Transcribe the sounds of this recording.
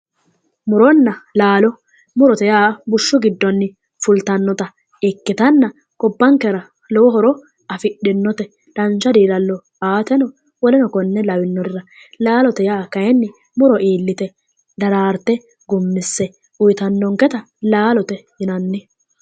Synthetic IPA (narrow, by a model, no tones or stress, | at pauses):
mʊɾɔnːɐlaːlɔ | mʊɾɔt̪ɛjaːbʊʃːʊɡɪd̪ːɔnːɪ | fʊlt̪ɐnːɔt̪ɐ | ɪkːɪt̪ɐnːɐ | kɔbːɐŋkːɛɾɐ | lɔwɔɦɔɾɔ | ɐfɪɗɪnːɔt̪ɛ | d̪̥ɐnt͡ʃːɐd̪iːlɐlːɔ | aːt̪ɛnɔ | wɔlɛnɔkɔnːɛlɐwɪnːɔd̪ɪɾɐ | laːlɔt̪ɛjaːkɐjɛnːɪ | mʊɾɔʔiːlːɪt̪ɛ | d̪ɐɾaːɾt̪ɛ | ɡʊmːɪsːɛ | ʊjɪt̪ɐnːɔŋkɛt̪ɐ | laːlɔt̪ɛjɪnɐnːɪ